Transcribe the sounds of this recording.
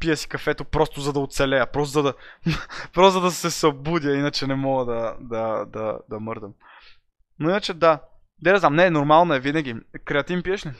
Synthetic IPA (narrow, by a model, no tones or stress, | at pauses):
pijəsi̥kɐfɛt̪opɾɔst̪ʊzɐd̪ɐot̪sɛlɛɐpɾɔst̪zɐd̪ɐ | pɾɔszəd̪ɐsɛsɐbud̪ʲjəinɐt͡ʃɛnɛmɔɡəd̪ɐd̪ɐd̪ɐd̪ɐmɤɾd̪əm | noinət͡ʃɛd̪a | d̪ɛd̪ɛznamnɛnoɾmalˠnɐɛvinɐɡ̟ʲikɾɛɐt̪ivmpiɛʃnɛ